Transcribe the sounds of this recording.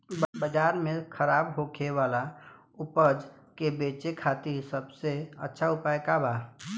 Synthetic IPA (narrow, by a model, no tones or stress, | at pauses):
bbəd͡ʒaːɾmẽkʰəɾaːbɦokʰewaːla | ʊpəd͡ʒ | kebeːt͡ʃekʰaːt̪isəbseə̰tːʃʰaʊpaːjkabaː